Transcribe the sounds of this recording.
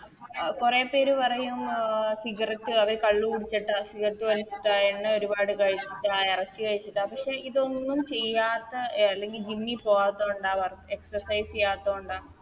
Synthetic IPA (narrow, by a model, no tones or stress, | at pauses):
kure̞ːpːe̞ːɾupɐrɐjumsiɡɐrɐt̪ːɨɐʋɐɾkɐɭːukuɽit͡ɕːɐʈːasiɣɐrɐt̪ːɨʋɐlit͡ɕːiʈːaːeɳːɨo̞ɾubaːɽɨkɐɻit͡ɕːiʈːaːirɐt͡ɕːɨkɐɻit͡ɕːiʈːaːpɐkʂeiðo̞nːumt͡ɕe̞jːaːt̪ːɐɐlːe̞ŋɡild͡ʑinːipo̞ːɣaːt̪ːoːuɳɖaːʋɐreksɐrsɐjsejaːt̪ːoːuɳɖaː